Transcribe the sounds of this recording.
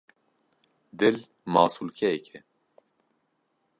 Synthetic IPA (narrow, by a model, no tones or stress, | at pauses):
d̪ɪl | mɑːsulkʰɛɛkʰɛ